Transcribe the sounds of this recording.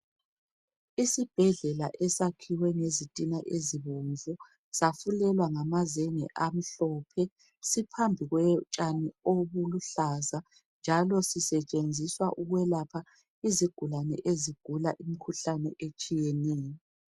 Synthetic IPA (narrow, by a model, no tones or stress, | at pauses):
isib̥ʱɛɮɛlaʔɛsakʰiwɛŋezitʼinaʔeziβoɱvu | safulɛlwaŋamazeŋɛ̰ʔam̩ɬɔːpʰɛ | sipʰambʱiɣwɛt͡ʃʼanioβuluɬaza | nd͡ʒʱalɔsisɛt͡ʃʼend͡zʱiswaʔuɣwɛlapʰa | iziɡ̥ʱulanɛ̰ʔeziɡ̥ʱulaʔimikʰuɬanɛ̰ʔet͡ʃʼijɛnɛːjɔ